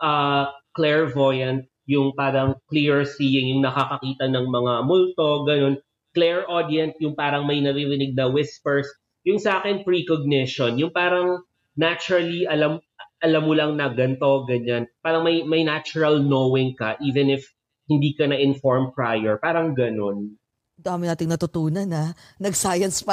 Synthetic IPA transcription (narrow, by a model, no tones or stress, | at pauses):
ʔɐklɛɹvojɐnt̪̚ | jʊŋpaːɾɐŋkliɹɹsiːjɪŋjʊŋnɐkakɐkiːt̪ɐnɐŋmɐŋamʊlt̪o̞ɡɐno̞n | klɛɹʔod̪iɐnsjʊŋpaːɾɐŋmɐjnɐɾiɾɪnɪɡ̚nɐwɪspɛɹs | jʊŋsɐʔaːkɪnpɹikoɡ̚nɪʃonjʊŋpaːɾɐŋ | nat͡ʃʊɹɐliʔɐlɐm | ʔɐlɐmːʊlɐŋnɐɡɐnt̪o̞ɡɐɲanpaːɾɐŋmɐjmɐjnat͡ʃʊɹɐlnoːwɪŋkɐʔiːvɛnɪf | hɪnd̪iːkɐnɐʔɪnfoɹmpɹajɛɹpaːɾɐŋɡɐno̞n | nd̪amɪnaːt̪ɪŋnɐt̪ʊt̪uːnɐnɐ | nɐɡsajɐnspɐ